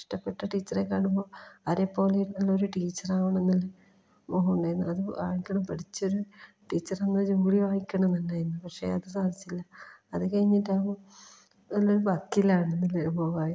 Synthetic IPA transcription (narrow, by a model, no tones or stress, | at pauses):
ʂʈɐpːeʈːɐʈiːt͡ɕːɐrekːaːɳumbo̞ːɐɾepːo̞ːliɾnːɐlːɐoɾuʈiːt͡ɕːɐraːʋuɳenːɐlːe | moːɦuɳɖajenːɐlɐðɨʋaːjikʲːɐɳɐmpɐʈit͡ɕːo̞ɾu | ʈiːt͡ɕːɐrenːɐd͡ʑuːliʋaːjikʲːɐɳɐmnt̪ɐnːaːjenːɨpɐkʂe̞̰ɐðɨsaːðit͡ɕːilːɐɐðɨkɐɻiɲːitːaːʋ | nɐlːoɾubɐkːilːaːɳenːileboːʋaːji